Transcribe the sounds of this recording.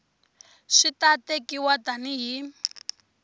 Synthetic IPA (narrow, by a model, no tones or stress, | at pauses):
ʂitatekiwataniɦi